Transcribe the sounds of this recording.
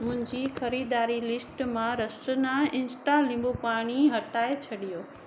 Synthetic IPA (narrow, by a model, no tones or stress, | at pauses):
mʊ̃ɦɪ̃ɲd͡ʑixɐɾiːd̪aːɾilɪsʈmãɾɐsənaɪ̃nsʈalĩmbopaːɽ̃iɦɐʈaːet͡ɕʰɐɗijoː